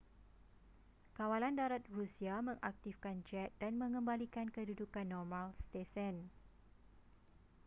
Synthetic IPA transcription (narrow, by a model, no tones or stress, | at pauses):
kawalandaɾat̪̚rusiamə̃ŋʔak̚t̪ifkand͡ʒɛt̪̚danmə̃ŋə̃mbalikankədudukanːɔrmãlst̪esɛn